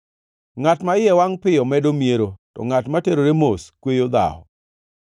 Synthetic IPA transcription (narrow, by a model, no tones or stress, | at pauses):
ŋatmaɪjɛwaŋpɪjɔmɛdomieɾotɔ̰ŋatmateɾoɾemoskwejod̪a̰ɔ̰